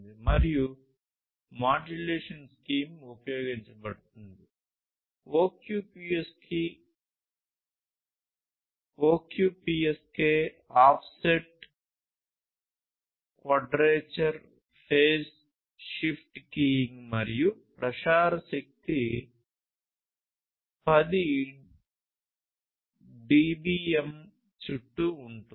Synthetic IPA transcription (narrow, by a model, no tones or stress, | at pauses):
d̪imɐɾiju | maːd͡ʒɐleːʂɐnskiːmupɐjo̞ːɡiɲt͡ʃɐbɐɽt̪und̪i | oːkjuːpiːeski | oːkjuːpiːeskeː | aːpʰseʈ | kʋɐːɖɾeːt͡ʃɐɾ | pʰeːs | ʃipʈkijiŋɡmɐɾijupɾɐʃaːɾɐsɐk̚t̪i | pɐd̪i | ɖiːbiːem | t͡ʃuʈːuːɳʈu